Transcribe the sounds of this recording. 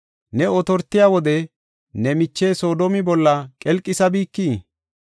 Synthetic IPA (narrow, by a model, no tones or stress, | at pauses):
nɛɔt̪ɔɾt̪ːɪjaːwɔd̪ɛ | nɛmɪt͡ʃːeːso̞ːd̪omɪbɔlːɐkʼɛlkʼːɪsɐbiːkːiː